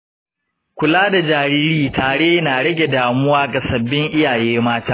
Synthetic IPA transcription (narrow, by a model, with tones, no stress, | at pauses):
kʷʊ˨laː˦da˨d͡ʒaː˨ɾiː˦ɾiː˦taː˨ɽeː˦naː˨ɽɐ˦ɡʲe˨daː˨mʊ˦waː˦ɡa˨sɐ˨bːɪ˦ŋʔɪ˦jaː˨jeː˦maː˦taː˦